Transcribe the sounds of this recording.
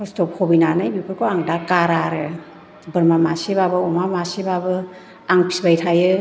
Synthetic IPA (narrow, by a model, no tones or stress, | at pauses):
pɔstɔp̚kʰɔbinanajbibʰɯɾkʰoaŋdakaɾaɾɯ | bɯɾmamasibabɯɔmamasibabɯ | aŋpʰi̥sbajtʰajɯ